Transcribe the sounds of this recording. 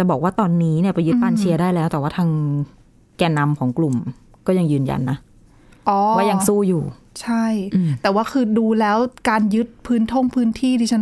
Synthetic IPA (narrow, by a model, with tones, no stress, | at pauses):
a˨˩bɔː˨˩k̚waː˥˩t̪ɔː˧nːiː˦˥ni˥˩ɐpa˧jːɯ˦t̪̚paː˧˥˩nt͡ɕʰi˧ɐdaː˥˩jlɛː˦˥wt̪ɛː˨˩waː˥˩t̪ʰaː˧ŋ | kɛː˧na˧mkʰɔː˩˦ŋklu˨˩m | kɔː˥˩ja˧ŋjɯː˧nja̰˧nːa˦˥ʔ | ʔɔː˧˦waː˥˩ja˧ŋsuː˥˩juː˨˩t͡ɕʰa˥˩jt̪ɛː˨˩waː˥˩kʰɯː˧duː˧lɛː˦˥wkaː˧njɯ˦˥t̪̚pʰɯː˦˥nt̪ʰo˥˩ŋpʰɯː˦˥nt̪ʰiː˥˩t̪ʰiː˥˩t͡ɕʰn